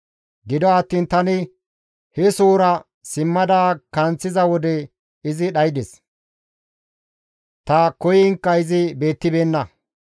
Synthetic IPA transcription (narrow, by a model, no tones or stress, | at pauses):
ɡɪd̪ɔɐt̪ːiːnt̪ɐnɪ | hɛsuːɾɐ | sɪmːɐd̪aːkɐnt͡sːɪzɐwɔd̪ɛ | ɪzɪɗɐjd̪ɛs | t̪ɐkɔjɪŋkːɐɪzɪbe̞ːt̪ːɪbeːnːɐ